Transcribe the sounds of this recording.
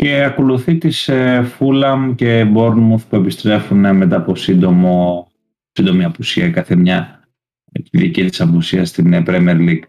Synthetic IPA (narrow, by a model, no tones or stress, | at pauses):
ce̞ɐko̞luθit̪isefulɐmce̞bo̞ɾnmuθpue̞pist̪ɾe̞funme̞t̪ɐːposind̪o̞mo | sind̪o̞miɐpusiɐkɐθe̞mɲɐ | iðicit̪i̥sɐpusiɐst̪inpɾemieɾliɡ̥